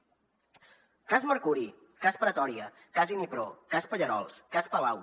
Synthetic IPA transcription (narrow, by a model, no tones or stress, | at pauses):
kazməɾkuɾi | kaspɾət̪ɔɾiə | kazinipɾokaspəʎəɾɔ̰lˠskaspəlaw